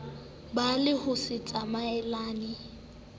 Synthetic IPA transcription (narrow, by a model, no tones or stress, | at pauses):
balɪhʊsɪt͡sʼamaɛlaːnɪ